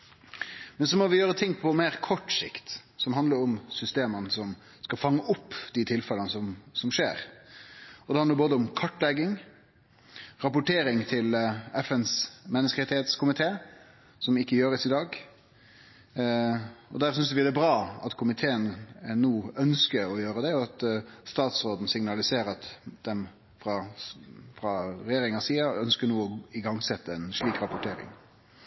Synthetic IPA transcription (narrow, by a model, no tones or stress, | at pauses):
mɛnsɔmɔʋɪjøːɾət̪ʰɪŋpʰɔmeːɾkʰɔʈːsɪ̰kt̪sɔmɦɑnd̪ləɾʊmsʏst̪eːmənsɔm | skɑfɑŋːəʔʊpːd̪̥it̪ʰɪlfɛlənəsɔmsɔmʂḛːɾ | ɔd̪ɛhɑnd̪əboːd̪əʊmkʰɑʈːlɛɡːɪŋ | ɾɑpʊʈʰeːɾɪŋt̪ʰɪlɛfənsmɛnːəskəɛt̪ʰhet̪skʊmɪt̪ʰeː | sɔmɪkːəjøːɾəsɪd̪ɑːɡ | ɔ̰d̪æʁsʏnsʋɪd̪ɛbɾɑːɑ̰t̪kʰʊmɪt̪ʰeːənnuːœnskəɾɔjøːɾəd̪ɛɔɑt̪st̪ɑːt̪sɾoːd̪n̩sɪŋnɑlɪseːɾɑt̪d̪̥ɛm | fɾɑ | fɾɑɾɛjeːɾɪŋɑsiːɑœnskənuːɔɪɡɑŋsɛt̪ːəɛnʂliːkɾɑpʊʈʰeːɾɪ̰ŋ